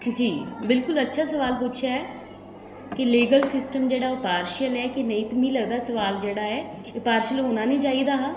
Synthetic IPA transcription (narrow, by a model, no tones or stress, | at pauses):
d͡ʒiːbɪlkʊlətːʃʰaːsəʋaːlpʊt͡ʃʰaːɛː | kɪliːɡəlsɪsʈəmd͡ʒeːɽaːopaːɾʃəlɛːkɪnəĩːt̪mĩːləɡd̪aːsəʋaːld͡ʒeːɽaːɛː | paːɾʃəlonãːnəĩːt͡ʃaːiːd̪aːɦa